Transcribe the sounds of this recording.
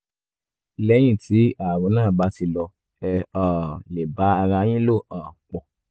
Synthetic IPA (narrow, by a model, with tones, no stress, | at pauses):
lɛ˦j̃ĩ˦˨ti˨˦a˨wũ˨˦nãː˦˨ba˨˧˦ti˧lɔ˧ | ɛ˧ɔ˨le˨ba˨˦a˧ɾã˧˦j̃ĩ˦lo˦˨aː˨k͡pɔ˨